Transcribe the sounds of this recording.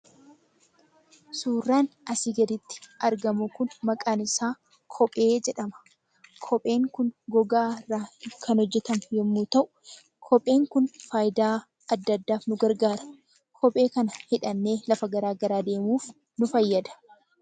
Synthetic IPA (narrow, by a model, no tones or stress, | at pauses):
suːrːaːnɐsiɡɐd̪ɪt̪ːɪ̥ɐɾɡɐmʊkʊnmɐkʼaːnɪsaː | kʰɔpʼe̞ːd͡ʒɛᶑɐmɐ̥ | kʰɔpʼe̞ːŋkʊnɡɔɡaːrːaːkʰɐnɔd͡ʒːɛt̪ɐmjɛmːuːt̪ɐʔʊ̥ | kʰɔpʼe̞ːŋkʊnfaːjd̪aː | ɐd̪ːɐd̪ːaːfnʊɡɐɾɡaːɾɐ̥ | kʰɔpʼe̞ːkɐnɐhɪᶑɐnːe̞ːlɐfɐɡɐɾaːɡɐɾaːd̪e̞ːmuːf | nʊfɐjːɐd̪ɐ̥